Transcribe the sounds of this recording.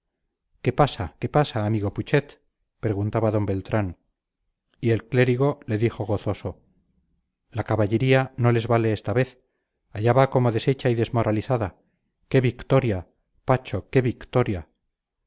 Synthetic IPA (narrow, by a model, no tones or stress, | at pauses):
ke̞pasake̞pasaːmiɣo̞put͡ʃe̞t̪ | peɾeɣunt̪aβaðo̞mbe̞lt̪ɾan | ie̞lkle̞ɾiɣo̞le̞ðixo̞ɣo̞θo̞so̞ | lakaβaʝe̞ɾiano̞le̞zβale̞est̪aβe̞θ | aʝaβako̞mo̞ðe̞se̞t͡ʃaiðe̞zmo̞ɾʔaliθaða | ke̞βikt̪o̞ɾja | pat͡ʃo̞ke̞βikt̪o̞ɾja